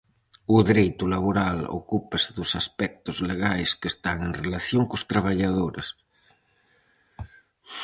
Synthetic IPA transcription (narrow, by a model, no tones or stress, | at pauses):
uðɾejt̪ulaβ̞oɾalo̰kupaseðosaspɛk̚t̪ozleɣajskest̪aŋeŋrelaθjoŋkost̪ɾaβ̞aʎað̞oɾes